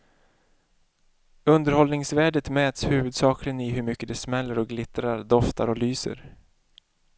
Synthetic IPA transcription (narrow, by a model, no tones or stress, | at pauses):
ɵnd̪əɾhɔlnɪŋsvæːɖət̪mɛːt̪shʉ̟ːvɵd̪sɑːklɪənɪɦɵɾmʏkːəd̪ɛsmɛlːəɾɔɡlɪt̪ɾaɾd̪ɔft̪a̰ɾɔlyːsə̰ɾ